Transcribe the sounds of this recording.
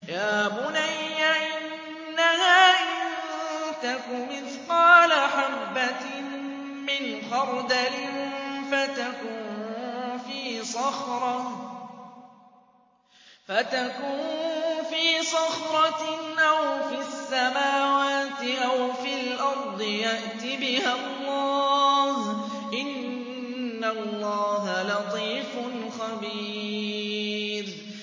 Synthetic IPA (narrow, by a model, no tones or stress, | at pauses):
jaːbʊnajːaʔɪnː | ahaːʔɪnt̪akʊmɪθqɑːlaħabːat̪ | mɪnxɑɾˤd̪alɪnfat̪akuːnnnfiːsˤɑxɾˤɑ | fat̪akuːnnnfiːsˤɑxɾˤɑʔawfɪasːamaːwaːt̪ɪʔawfɪlʔɑɾˤd̪ˤɨjaʔt̪ɪbɪhalˤːɑːh | ʔɪnː | alˤːɑːɦalɑt̪ˤiːfʊnxabiː | ɾ